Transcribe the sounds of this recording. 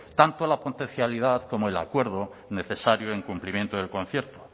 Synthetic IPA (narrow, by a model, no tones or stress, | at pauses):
t̪ant̪olapot̪enθjalið̞aðko̞moe̞la̰kwe̞ɾð̞o | ne̞θe̞saɾjoe̞ŋkumplimje̞nt̪oðe̞lkõ̞n̟θje̞ɾt̪o̥